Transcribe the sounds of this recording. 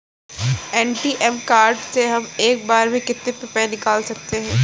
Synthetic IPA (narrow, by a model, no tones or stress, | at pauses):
ɛːɳʈiːʔɛmkaːɾɖseɦɐmeːk̚baːɾmẽkɪt̪nepɪpɛ̃ːnɪkaːlsɐk̚t̪eɦɛ̃ː